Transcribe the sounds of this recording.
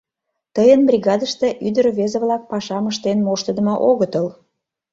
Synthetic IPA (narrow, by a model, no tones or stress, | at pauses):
t̪əjənbrʲiɣɑd̪əʃt̪eʔyd̪əɾβezəβlɑk̚pɑʃɑməʃt̪enmoʃt̪əd̪ə̆mŏʔoɣət̪əl